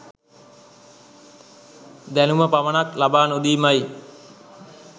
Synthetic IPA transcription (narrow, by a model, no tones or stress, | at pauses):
d̪ænuməpaʋənaklabaːnud̪iːmaj